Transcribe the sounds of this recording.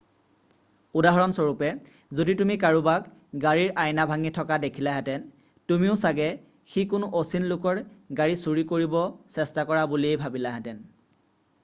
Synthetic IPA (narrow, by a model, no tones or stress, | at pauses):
udaɦɔɹɔnsɔɹupɛ | zoditumikaɹubak | ɡaɹiɹʔajnabʱaŋitʰɔkadekʰilaɦɛtɛn | tumiʊsaɡɛ | xikʊnʊʔosinlʊkɔɹɡaɹisuɹikoɹibɔsɛstakɔɹabuliejbʱabilaɦɛtɛn